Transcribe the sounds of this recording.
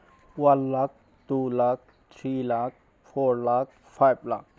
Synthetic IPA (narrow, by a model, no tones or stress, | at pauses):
wɐnlaːk̚ | d̪̥ulaːk̚ | t̪ʰɾiːlaːk̚ | fʰoːɾlaːk̚ | fʰajblaːk̚